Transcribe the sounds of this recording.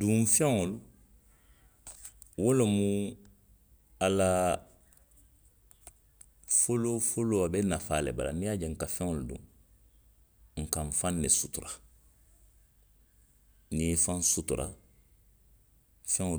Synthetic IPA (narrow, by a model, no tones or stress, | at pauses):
dũfɛ̃ŋolu | wolomũ | ala | folofoloabɛnafaːlḛba̰la̰nĩjad͡ʒɛŋ̩kafɛ̃ŋoludṵ̃ | ŋ̩kãɱfãnːesutuɾa | nifãnsutuɾʔa̰ | fɛ̃ŋo